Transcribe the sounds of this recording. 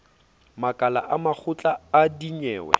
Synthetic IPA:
makʼala̰ʔamak͡xʰʊt͡ɬʼaːdiɲɛːwɛ̰

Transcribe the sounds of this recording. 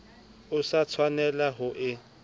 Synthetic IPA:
ʊsat͡sʰwanɛlaɦʊʔɪ

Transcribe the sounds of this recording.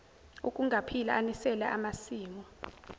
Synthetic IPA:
ṵkʼuŋɡʱapʰilaanisɛlɛ̰ʔamasiːmɔ

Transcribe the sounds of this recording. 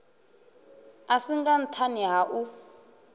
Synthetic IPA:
asiŋɡan̩tʰaniɦaʔu

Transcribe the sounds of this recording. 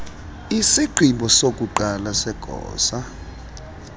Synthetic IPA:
isiǃʱimbʱɔsok̬ʼuǃalasɛɡ̥ʱɔ̰ːsa

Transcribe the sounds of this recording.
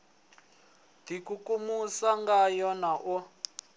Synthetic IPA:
dikukumusaŋɡajɔnaʔu

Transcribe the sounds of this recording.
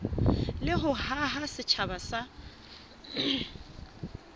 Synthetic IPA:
lɪɦʊɦaɦasɪt͡ʃʰabasa

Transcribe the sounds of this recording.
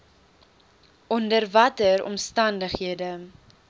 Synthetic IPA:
ʔɔndərvɐtəɾɔ̰mstɐndəχɦiədə

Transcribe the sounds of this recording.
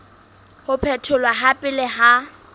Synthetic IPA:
hʊpʰɛtʰʊlwaɦapʼɪlɛɦa

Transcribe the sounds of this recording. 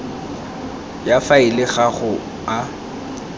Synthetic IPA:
jafaɪlɪɣaχʊ | a

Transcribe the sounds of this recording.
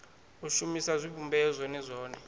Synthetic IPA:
uʃumisazʷibʱumbʱɛzʷɔnɛzʷɔːnɛ

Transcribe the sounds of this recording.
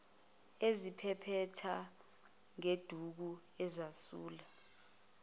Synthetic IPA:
ezipʰɛpʰɛtʰa | ŋed̥ʱuk̬u | ɛzasuːla

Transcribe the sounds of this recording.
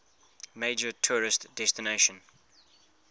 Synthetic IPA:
meɪd͡ʒətʰuɹɪstd̥ɛstɪneɪʃə̃n

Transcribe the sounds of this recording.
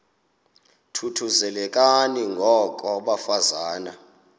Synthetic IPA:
tʰutʰuzɛlɛk̬ʼaniŋɡʱɔk̬ʼɔɓafazaːna

